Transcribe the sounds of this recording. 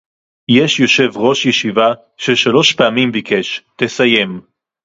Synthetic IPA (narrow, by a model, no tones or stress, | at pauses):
jeʃjo̞ʃe̞vʁo̞ʃjeʃiva | ʃeʃalo̞ʃpeamimbike̞ʃt̪esaje̞m